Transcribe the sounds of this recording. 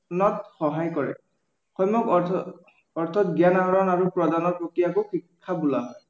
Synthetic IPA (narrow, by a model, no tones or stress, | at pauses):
nɔtxɔɦajkɔɹɛ̰ | xɔjmɔk | ɔɹt̪ʰɔtɡjanaɦɔɹɔnaɹupɹɔdanɔɹpɹɔkɹijakoxɹikʰːabulaɦɔ